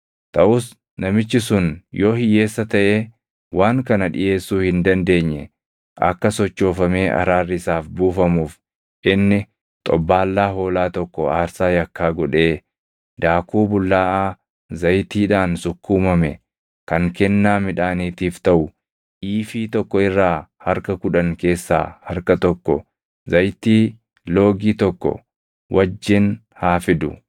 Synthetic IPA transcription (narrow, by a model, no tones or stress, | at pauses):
t̪ʼɐʔʊs | nɐmɪt͡ʃːɪsʊnjo̞ːhɪje̞ːsːɐt̪ɐʔeː | wʔaːŋkɐnɐᶑɪ̰ʔe̞ːsːuːhɪnd̪ɐnd̪e̞ːɲːɛ̰ | ʔɐ̰kːɐsɔt͡ʃːo̞ːfɐmeːʔɐ̰ɾaːrːɪsaːfbuːfɐmuːf | ʔɪnːɪ | t̪ʼɔbːaːlːaːɦo̞ːlaːt̪ɔkːɔaːɾsaːjɐkːaːɡɔᶑeː | d̪aːkuːbʊlːaːʔaː | zɐjt̪iːᶑaːnsʊkːuːmɐmɛ | kɐŋkɛnːaːmɪᶑaːniːt̪iːft̪ɐʔʊ | ʔiːfiːt̪ɔkːɔɪrːaːhɐɾkɐkʊᶑɐŋke̞ːsːa̰ːhɐɾkɐt̪ɔkːɔ̰ | zɐjt̪iː | lo̞ːɡiːt̪ɔkːɔ̰ | wʔɐd͡ʒːɪn | haːfɪd̪ʊ̰